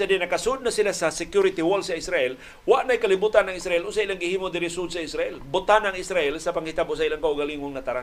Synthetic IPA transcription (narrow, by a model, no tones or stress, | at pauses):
sadɛnakasud̪̚nasilasasɛkjuɾit̪iwɔlsaisɾaɛl | waʔnajkalibut̪anaŋisɾaɛlusailaŋɡiɦimodiɾisud̪saisɾaɛlbut̪anaŋisɾaɛlsapaŋhit̪abus̬ailaŋkauɡaliŋuŋnat̪aɾa